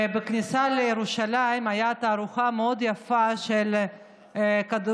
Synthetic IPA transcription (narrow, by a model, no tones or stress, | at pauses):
beknisalejeɾuʃalaimajat̪aːɾuχameod̪jafaʃel | kad̪